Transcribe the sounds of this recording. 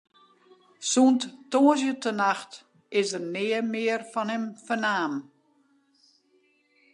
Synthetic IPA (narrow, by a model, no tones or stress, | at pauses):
sunttoːəz̬jətʰənaxt | ɪsərnɪːəmɪːərfɔnɪmfənaːm